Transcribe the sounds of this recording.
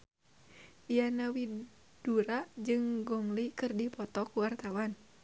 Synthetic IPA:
ijanawi | d̥uɾad͡ʒɨŋɡɔŋlikɨrdipɔt̪ɔkuwart̪awan

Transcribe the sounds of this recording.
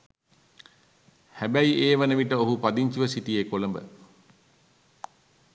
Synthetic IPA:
hæbæiʔeːʋənəʋiʈəoɦupad̪iɲt͡ʃuʋəsit̪ijeːkoləmbə̰

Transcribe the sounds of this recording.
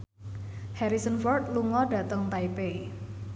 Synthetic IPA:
hɛɾisənfɔrt̪̚luŋɔɖä̤t̪əŋt̪aipei

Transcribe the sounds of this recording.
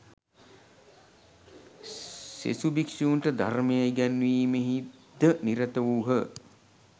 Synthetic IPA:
sḛsubikʂiunʈəd̪ʱa̰ɾmejajɡænʋiːmeɦidd̪əniɾət̪əʋuːɦə

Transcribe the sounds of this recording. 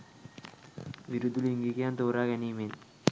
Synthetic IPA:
ʋiɾud̪ːuliŋɡikijaːnt̪oːɾaːkɛnimen

